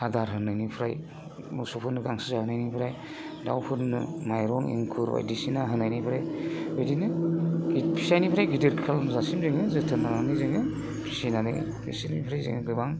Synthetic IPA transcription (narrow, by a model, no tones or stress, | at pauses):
adaɾɦɯnajnipʰɾa̰j | musupʰɯnɯɡaŋsɯ̥zahɯnajnipʰɾaj | da̰wpʰɯɾnɯmajɾɔŋḭŋkʰuɾba̰jdisinaɦɯnajnipʰɾajbedinɯɡipʰisajnipʰɾajɡidɯɾkʰalmzasimzɯŋɯzɯtʰɯnananizɯŋɯ | pʰi̥sinanɯ̰ | bʰisinanipʰɾajzḛŋɯɡɯbaŋ